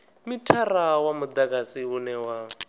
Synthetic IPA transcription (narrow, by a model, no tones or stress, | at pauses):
mitʰarawamud̪akasiunɛwa